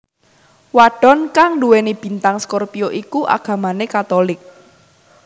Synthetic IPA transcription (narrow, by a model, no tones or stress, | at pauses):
waɖ̥ɔ̤nkaŋduwenib̥i̤nt̪aŋskɔrpioʔikuʔa̰ɡ̥ä̤manekat̪olɪk̚